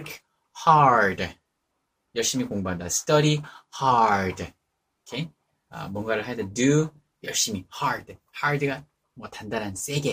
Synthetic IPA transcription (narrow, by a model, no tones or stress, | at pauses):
kʰ | haɾd | jʌɭɕ͈imikoŋbandasʰɯ̥t͈ʌɾihaɾd | okʰe | ʌ̰mwʌnɡaɾɯɭɦadedu | jʌɭɕ͈imihaɾd | haɾdɯɡa | mwʌtandanɦans͈e̞ɡe